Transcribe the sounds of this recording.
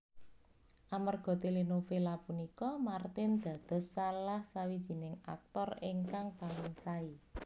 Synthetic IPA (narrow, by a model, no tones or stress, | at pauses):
ʔamarɡ̥ɔ̤t̪elinofelapunikɔmart̪ɪnd̪̥ä̤d̪̥ɔ̤sːalahsawid̥ʒ̥i̤nɪŋa̰k̚t̪ɔriɪŋkaŋpalɪŋsai